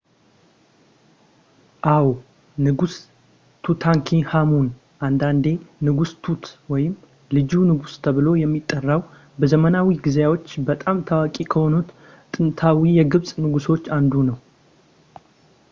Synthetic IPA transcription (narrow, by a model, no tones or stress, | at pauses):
ʔaw | nɨɡus | t̪ʰut̪ʰaŋkʰihamun | ʔand̪and̪e̞nɨɡust̪ʰut̪wɔjɪm | lɨd͡ʒunɨɡust̪ʰəβɨlo̞jɛmːit̪ʼːərːaw | bəzəmənawiɡɨzjawo̞t͡ʃːbət̪ʼamt̪ʰawakʼikʰəho̞nut̪ | t̪ʼɨnt̪ʰawijɛɡɨβsʼnɨɡuso̞t͡ʃːand̪unəw